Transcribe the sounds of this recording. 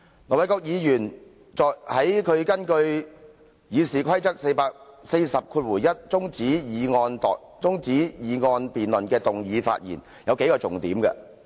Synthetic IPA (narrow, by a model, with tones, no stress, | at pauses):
ŋɔː˨˩wɐ˨˥jkɔː˧k̚jiː˨˧jyː˨˩n | t͡sɔː˨˩hɐ˨˥jkʰɵ˨˧ɥkɐ˥nkɵ˧ɥ | jiː˨˧siː˨kʷʰɐ˥jt͡sɐ˥k̚se˧jpaː˧k̚se˧jsɐ˨p̚kʰu˧t̚wuː˨˩jjɐ˥t̚t͡sʊ˥ŋt͡siː˨˥jiː˨˧ŋɔː˧nt̪ɔ̰ː˨ | t͡sʊ˥ŋt͡siː˨˥jiː˨˧ŋɔː˧npiː˨nlɵ˨nkɛː˧t̪ʊ˨ŋjiː˨˧fa̰ː˧t̚jḭː˨˩n | jɐ˨˧wke˨˥jkɔː˧t͡sʊ˨ŋt̪ḭː˨˥mkɐ̰˧